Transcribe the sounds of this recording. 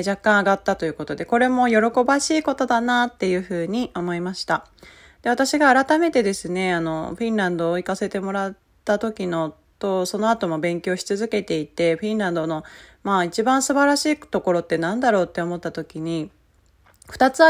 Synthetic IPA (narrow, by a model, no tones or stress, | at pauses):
d͡ʑakːãɰ̃aɡat̪ːat̪o̞jɯ̟ko̞t̪o̞d̪e̞ko̞ɾe̞mo̞jo̞ɾo̞ko̞baɕiːko̞t̪o̞d̪anaːt̪ːe̞jɯ̟ːɸɯ̟ːɲ̟io̞mo̞imaɕi̥t̪a | d̪̥e̞βat̪aɕiɡaːɾat̪ame̞t̪e̞d̪e̞sɨne̞ano̞ɸĩnɾãnd̪o̞ːikase̞t̪e̞mo̞ɾat̪ːat̪o̞kʲino̞ | t̪o̞so̞no̞at̪o̞mo̞bẽ̞ŋkʲo̞ːɕi̥t͡sɨzɨke̞t̪e̞it̪e̞ɸĩnɾãnd̪o̞no̞maːit͡ɕibãɰ̃sɨbaɾaɕiːt̪o̞ko̞ɾo̞t̪ːe̞nãnd̪aɾo̞ːt̪ːe̞omo̞t̪ːat̪o̞kʲiɲ̟i | ɸɯ̟̥t̪at͡sɨ